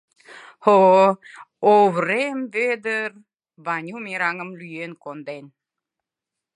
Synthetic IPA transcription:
ho | oβɾembed̪əɾ | banʲumiɾaŋəmlyjenkond̪en

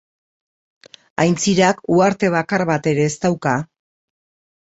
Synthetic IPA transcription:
ajnt͡siɾakuaɾt̪e̞β̞akaɾβat̪e̞ɾe̞ːst̪awka

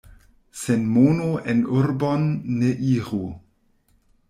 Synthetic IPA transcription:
senmoːnoenurbonːeʔiːʁu

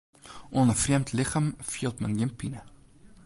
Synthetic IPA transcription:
ʔɔnəfriəmtliχamfiəlˠtməniəmpinə

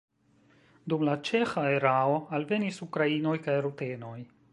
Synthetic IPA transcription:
dumlat͡ʃe̞xaeɾao̞alve̞nisukɾaino̞jkajɾute̞no̞j

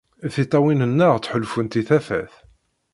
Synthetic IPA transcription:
θit̪ˤːɑwinənːəʁt͡sːħəlfənt̪iθæfæ̰θ

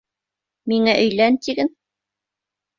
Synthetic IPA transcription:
miŋæʔɵ̆jlænt̪iɡɘn

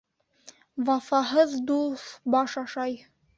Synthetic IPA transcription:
wɑfɑɦɤðd̪ubɑʃɑʃɑj

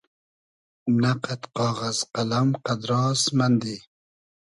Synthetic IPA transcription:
naqat̪qɑːʁazqalamqad̪ɾɑːsmand̪i

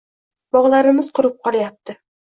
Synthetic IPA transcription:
bɒʁlˠaɾɪmɪz̥qʰʊɾɪp̚qʰɒlˠajap̚t̪ʰɪ

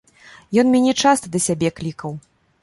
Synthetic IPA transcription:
jɔnmʲanʲɛt͡ʂast̪ɐd̪ɐsʲabʲɛklʲikɐw

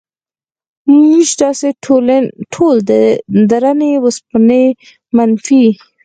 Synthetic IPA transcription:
miʃd̪ɑseolʈʰold̪əd̪aɾanewəspne | manfi

